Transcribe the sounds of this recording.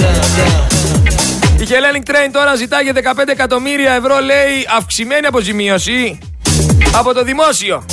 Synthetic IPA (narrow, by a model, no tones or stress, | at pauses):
içele̞niŋɡ̚t̪ɾejnt̪o̞ɾɐzit̪ɐʝeðe̞kɐpend̪ekɐt̪o̞miɾiɐe̞vɾo̞le̞iɐfksime̞niɐpo̞zimio̞si | ɐpo̞t̪o̞ðimo̞sio̞